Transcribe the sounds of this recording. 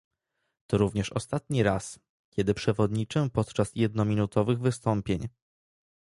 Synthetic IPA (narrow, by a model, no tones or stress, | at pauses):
t̪ɔɾuvɲɛʂɔ̰st̪at̪ɲiɾas | kʲjɛd̪ɘpʂɛvɔd̪ɲit͡ʂɛpɔt̪t͡ʂasjɛd̪̚nɔmʲinut̪ɔvɘɣvɘst̪ɔmpʲjeɲ